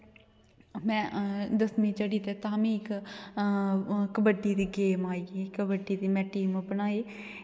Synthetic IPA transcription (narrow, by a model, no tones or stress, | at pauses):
mɛ̃ːd̪əsmĩːt͡ʃəɽiːt̪eːt̪aːmĩːɪk | kəbəɖiːd̪iːɡeːmaːiːɡiːkːəbəɖiːd̪iːmɛ̃ːʈiːmbənaːeː